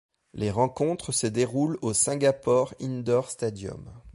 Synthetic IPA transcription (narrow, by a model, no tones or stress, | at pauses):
lʔeʁɑ̃kɔ̃t̪χəsəd̪eʁulosɛ̃ɡʲapɔʁind̪ɔʁst̪ad̪jɔ̰m